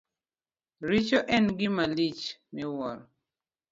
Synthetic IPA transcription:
ɾit͡ʃɔʔɛnɡɪmalit͡ʃmɪwɔɾ

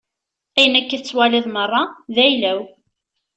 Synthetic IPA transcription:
æjənækːəθət͡sːwæliðˤmərˤːɑðæjlæw

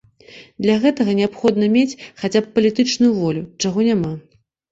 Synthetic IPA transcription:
d̪lʲaɣɛt̪ɐɣɐnʲɛapxɔd̪nɐmʲet͡sʲxat͡sʲapːɐlʲit̪ɨt͡ʂnujuvɔlʲut͡ʂaɣɔnʲama

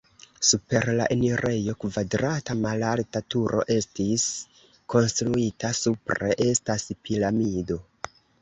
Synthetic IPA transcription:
supe̞ɾlaʔeniɾʔe̞jo̞kvadɾatamalaltatuɾʔo̞̰ʔe̞stis | ko̞nstɾuitasupɾe̞ʔe̞staspilamido̞

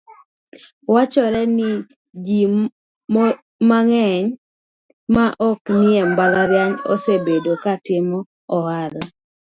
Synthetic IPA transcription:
wat͡ʃɔɾɛnɪ | d͡ʒi | maŋɛɲ | maʔɔknɪɛmbalaɾjaɲɔ̰sebedokatɪmɔː | hala

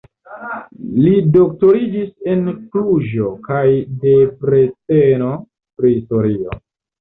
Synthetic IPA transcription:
lido̞k̚to̞ɾid͡ʒise̞nklud͡ʒo̞kajde̞pɾe̞teno̞ | pɾiisto̞ɾio̞̰

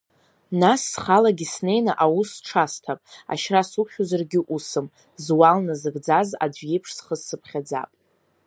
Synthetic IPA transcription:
nasːχalaɡʲisne̞jnaʔawusʈ͡ʂʰastʰapʼa̰ʃrasuχʲuzarɡʲɪʔusɨm | zwalnɨzɨɡd͡zaza̰d͡zʷjejpʰʂsχəssɨpʰχʲad͡za̰pʼ

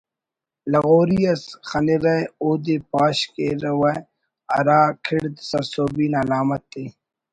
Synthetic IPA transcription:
lɐɣoːɾijɐsxɐniɾɐjoːd̪epaːɕkeɾɐwɐj | ɐ̰ɾaːkʰiɽd̪sɐsoːbiːnɐlaːmɐt̪ːeː

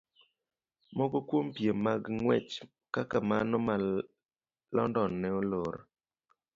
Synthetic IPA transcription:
mɔɡokwompjemːaɡŋwɛt͡ʃ | kakamanɔma | lɔ̰ndɔnːɛoloɾ

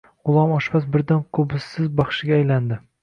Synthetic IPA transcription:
ʁʊlˠɒmɒʃbas̬bɪɾd̪ankʰɵbɪsːɪzbɒχʃɪɡʲaːjland̪ɪ

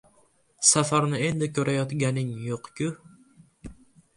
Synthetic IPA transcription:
safaɾnɪe̞nd̪ɪkʲʰɵɾajɒt̪ɡʲanɪŋjoqkʲʊ

